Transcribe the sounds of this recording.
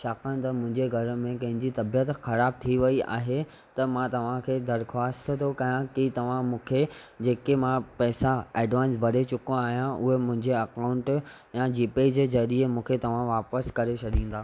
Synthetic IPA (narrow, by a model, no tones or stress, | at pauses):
ʃaːkəñt̪ɐmʊ̃ɦɪ̃ɲd͡ʑeɡʱɐɾmẽkɐ̃ɦɪ̃ɲd͡ʑit̪ɐbijət̪xɐɾaːb̚t̪ʰiʋɐia̰ːɦe | t̪ɐmãt̪ɐʋ̤ãkʰeːd̪ɐɾxwaːst̪t̪ʰokɐjãkit̪ɐʋ̤ãmũːkʰe | d͡ʑeːkemãpɛːsaeːɖʋãːnsbʱɐɽet͡ɕʊkõaːɦijãʔʊɦemʊ̃ɦɪ̃ɲd͡ʑeɐkaʊ̃ɳʈ | jãd͡ʑiːped͡ʑeːzɐɾiemũːkʰet̪ɐʋ̤ãʋaːpəskɐɾet͡ɕʰɐɗĩːnd̪aː